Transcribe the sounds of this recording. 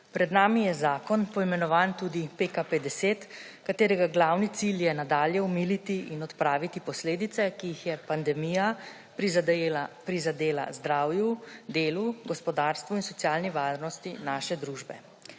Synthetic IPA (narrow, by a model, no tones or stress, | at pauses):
pɾɛd̪naːmijɛzaːkɔnpɔimɛnɔʋaːnt̪uːd̪ipeːkaped̪ɛseːt̪ | kat̪eːɾɛɡaɡlaːwnit̪siljɛnad̪aːljɛumilit̪iʔinɔt̪pɾaːʋit̪ipɔsleːd̪it̪sɛkiːxjɛpand̪ɛmija | pɾizad̪eːla̰zd̪ɾaːwjud̪eːluɡɔspɔd̪aːɾst̪ʋuinsɔt̪sjaːlniʋaːɾnɔst̪inaːʃɛd̪ɾuːʒbɛ̰